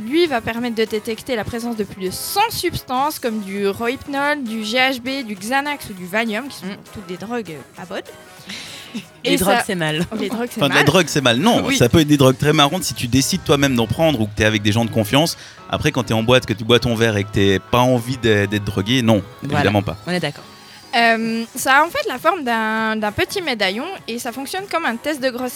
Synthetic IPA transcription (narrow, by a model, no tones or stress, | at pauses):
lɥivapɛʁmɛt̪̚d̪əd̪et̪ɛkt̪elapχezɑ̃sd̪əplyd̪əsɑ̃sypst̪ɑ̃skɔmd̪yʁɔipnɔld̪yʒeaʒbed̪yɡzanaksud̪yvaljɔmkʲi̥sɔ̃t̪ut̪̚d̪ed̪ʁɔɡabɔd̪ | eed̪ʁɔɡsɛmalleʁɔɡsɛ̃fɛ̃lad̪ʁɔɡsɛmalnɔ̃wsapøɛt̪χd̪ed̪ʁɔɡ̚t̪χɛmaʁɑ̃t̪sit̪yd̪esid̪̚t̪wamɛmd̪ɑ̃pχɑ̃d̪ʁukət̪ɛavɛk̚d̪eʒɑ̃d̪əkɔ̃fjɑ̃s | a̰pχɛkɑ̃t̪yɛɑ̃bwat̪kət̪ybwat̪ɑ̃vɛʁekət̪yɛpaɑ̃vid̪ɛd̪ɛt̪χ̚d̪ʁɔɡenɔ̃eveid̪amɑ̃pa̰ɔ̃nɛd̪akɔːʁ | ømsaːɑ̃fɛt̪lafɔʁmd̪ɛ̃d̪ɛ̃pət̪imed̪ajɔ̃esafɔ̃ksjɔnkɔmɛ̃t̪ɛst̪̚d̪əɡʁɔsɛ